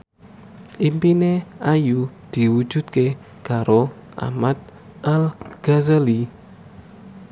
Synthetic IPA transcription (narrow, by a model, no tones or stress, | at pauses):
ʔimpineajud̪̥i̤wud̥ʒ̥ṳt̪̚ke | kaɾo | ʔa̰mat̪̚ | ʔalɡ̥a̤zəli